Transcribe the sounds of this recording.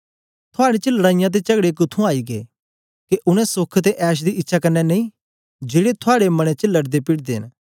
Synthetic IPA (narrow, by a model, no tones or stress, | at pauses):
t̪ʰʊaːɽet͡ʃəlɐɽaːɪjãt̪̬et͡ʃɐɡɽekʊt̪ʰːũaːiɡḛː | keʔʊɽ̃ɛ̃sokʰt̪eʔɛːʃ̬d̪iʔɪtːʃʰakɐnːɛnɐĩ | d͡ʒeːɽet̪ʰʊaːɽemɐɽ̃et͡ʃəlɐɽd̪epɪɽd̪eɦɪ̰n